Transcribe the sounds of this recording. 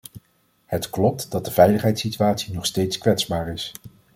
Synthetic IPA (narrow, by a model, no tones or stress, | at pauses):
hətklɔp̚td̥ɑt̚dəvɛjləχɦɛjtsityaːtsinɔχstejtskʋɛtzbaːɹɪs